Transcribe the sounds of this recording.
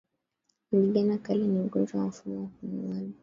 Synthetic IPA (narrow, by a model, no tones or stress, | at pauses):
ɡiɡanakalɛniuɡɔnd͡ʒwawam̩fumɔwakumuani